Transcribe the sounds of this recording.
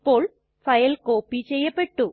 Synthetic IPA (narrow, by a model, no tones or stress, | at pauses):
pːo̞ːɭ | fɐjɐlko̞ːpːit͡ɕejːɐpːeʈːu